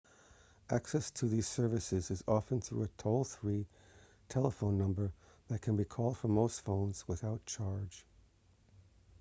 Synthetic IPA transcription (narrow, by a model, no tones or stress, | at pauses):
ʔæksɛstʰɨðiz̥sɜ˞vɨsɪzɨzɑfə̃nθɹṵɨtʰoʊlˠθɹi | tʰɛlˠəfõʊ̃nːʌ̃mbə˞ | ðɨt̚kʰɨ̃nbikʰɔlˠd̥fə˞moʊstfõʊ̃nz̥wəθaʊt̚t͡ʃʰɑɹd̥ʒ̥